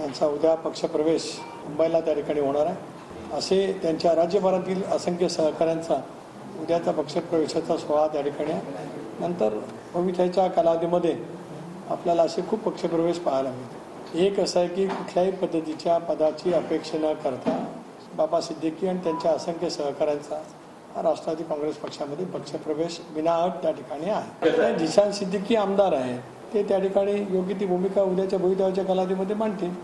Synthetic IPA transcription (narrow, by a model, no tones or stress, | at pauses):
t̪jant͡saud̪ʱjapəkʂəpɾəʋeɕ | mumbəjlat̪jaʈ̪ʰi̥kaɽ̃iɦoɽ̃aɾaj | əset̪jaɲt͡ɕjaɾad͡ʑjəbaɾat̪iːləsəŋkʰjəsəɦkaɾjant͡sa | ud̪ʱjat͡sapəkʂəpɾəʋeɕat͡sasʋəʋat̪jaʈ̪ʰikaɽ̃iaj | nənt̪əɾ | bʱəʋit̪ʰat͡ɕjakalaʋd̪iməd̪ʱːje | apljalaəsekʰuːpːəkʂəpɾəʋeɕpaɦalaɡit̪ | ekəsajkiːkuʈʰljaɦiːpəd̪ʱːət̪it͡ɕjapəd̪at͡ɕiːəpekʂənəkəɾt̪a | babasid̪ʱːəkiːaɽ̃it̪jaɲt͡ɕjaəsəŋkjəsəɦkaɾant͡sa | a̰ɾaʂʈɾat̪iːkɔ̃ŋɡɾespəkʂaməd̪ʱːjepəkʂəpɾəʋeɕʋinaɦək̚t̪jaʈʰikaɽ̃iːaɦet̪ãd͡ʑiɕãnsid̪ʱːəkiːamd̪aɾaɦe | t̪et̪jaʈikaɽ̃iːjoɡit̪̬iːbʱumikaud̪ʱjat͡ɕjabʱəʋit̪ʰjaat͡ɕjakalaʋd̪iməd̪ʱːjem̤aɳt̪iːn